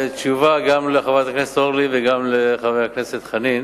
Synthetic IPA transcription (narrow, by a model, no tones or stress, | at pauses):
t͡ʃuvaɡamleaχavat̪akneset̪oʁliveɡamleχavejhakne̞set̪χanin